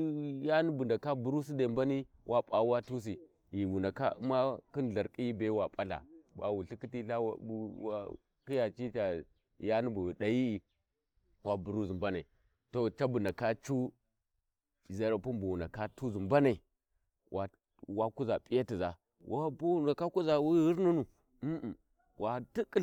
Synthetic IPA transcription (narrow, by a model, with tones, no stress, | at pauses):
ja˦ni˦bu˨nda˨ka˦bu˨ɾu˦s̬i˦da˨m˦ba˦ni˦ | wʔa˦pʼa˨˦wa˦tu˦s̬i˨ | ji˨wu˨na˨ka̰˦u˦ma˦ki˦nɮa˨ɾkʼi˦ji˦be˦wa˨pʼa˦ɬa̰˨ba̰˨wu˨ɬi˦ki˦ti˦ɬa˦w̰u˨wa˨ | ki˦ja˨t͡ʃi˦t͡ʃa˨ | ja˦nu˦bu˨da˨ji˦i˨ | wa˨bu˨ɾu˦zu˨mba˦na˨i˨ | to˦t͡ʃa˦bu˨na˨ka˦t͡ʃu˦˨ | za˨˦ɾa˨pu˦mbu˨wu˨na˨ka˦tu˦zu˨mba˦na˨i˨ | wʔa˨ | wa˦ku˦za˨pi˦ja˦ti˨za˨ | wʔa˦bo˦na˨ka˦ku˦za˨wu˦hi˦ɾnu˦nu˨ | m̩˦˨ | wʔa˨ti˦kʼi˦